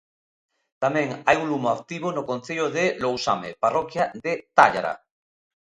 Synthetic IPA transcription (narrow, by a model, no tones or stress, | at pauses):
t̪amẽŋajuŋlumoak̚t̪iβ̞onokõn̟θeʎoðelowsa̰mḛparɔkjaðet̪aʎa̰ɾa̰